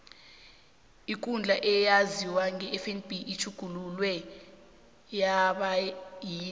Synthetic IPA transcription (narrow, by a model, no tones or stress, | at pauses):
ik̬ʼund͡ɮʱaʔɛjaziwaŋʱɛːfɛnb̥ʱiʔit͡ʃʰuɡ̥ʱululwɛ | jaɓajiː